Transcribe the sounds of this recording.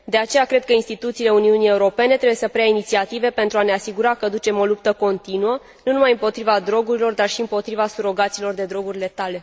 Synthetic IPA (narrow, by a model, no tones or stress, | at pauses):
d̪e̞at͡ʃe̞jakɾe̞d̪̚kəinst̪it̪ut̪siːle̞uniunie̞uɾo̞pe̞ne̞t̪ɾebuje̞səpɾejainit̪siat̪ive̞pe̞nt̪ɾuaneasiɡuɾakəd̪ut͡ʃe̞mo̞lup̚t̪əko̞nt̪inuə | nunumajɨmpo̞t̪ɾivad̪ɾo̞ɡuɾilo̞rd̪arʃiɨmpo̞t̪ɾivasuɾo̞ɡat̪siːlo̞rd̪e̞d̪ɾo̞ɡuɾile̞t̪ale̞